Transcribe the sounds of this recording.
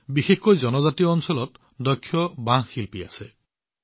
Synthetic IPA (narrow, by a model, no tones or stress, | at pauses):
bixekkɔjd͡ʒɔnɔd͡ʒat̪ijɔːnsɔlɔt̪ | d̪ɔkʰːjɔbãxilpia̰se